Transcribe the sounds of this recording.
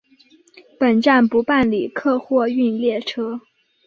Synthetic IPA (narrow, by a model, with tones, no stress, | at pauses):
pə˨˩nʈ͡ʂa˥˩npu˧˥pa˥˩nli˨˩kʰɤ˥˧xwɔ˥˧y˥˧nljɛ˥˩ʈ͡ʂʰɤ˥